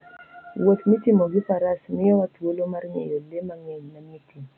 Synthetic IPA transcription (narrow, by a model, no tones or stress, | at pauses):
wot̪mitimɔɡipaɾasmɪjɔwatwolomarɲɛ̰jolemaŋɛɲnamiti